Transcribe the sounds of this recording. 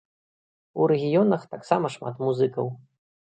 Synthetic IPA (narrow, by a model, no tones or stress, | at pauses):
uɾɛɣʲijɔnɐxt̪aksamɐʂma̰t̪muzɨkɐw